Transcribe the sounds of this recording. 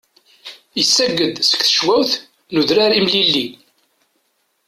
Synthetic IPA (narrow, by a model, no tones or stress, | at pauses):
jəsːæɡːəd̪sə̥kθə̥ʃwæwθ | nuðɾaɾimlilːi